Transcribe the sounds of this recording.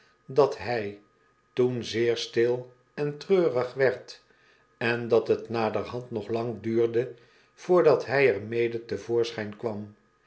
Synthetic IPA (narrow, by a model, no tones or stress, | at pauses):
dɑtɦɛj | tunzɪːɹstɪlˠ | ɛntrøːrəχʋɛɹt | ɛndɑtɦətnaːdərɦɑntnɔχlɑŋdyːɹdə | v̥ʊːɹdɑtɦɛjɛɹmejdətəvoːɹsχɛjnkʋɑm